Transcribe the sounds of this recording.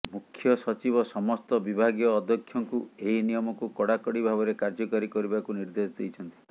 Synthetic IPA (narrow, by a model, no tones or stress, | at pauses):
mukʰːjɔsɔt͡ʃibɔsɔmɔst̪ɔbibʱaɡijɔːd̪ʱːɔkʰːjɔŋkueɦinijɔmɔkukɔɽakɔɽibʱaβɔɾekaɾd͡ʒɔkɔɾikɔɾibakuniɾd̪esd̪ejt͡ʃʰɔnt̪i̥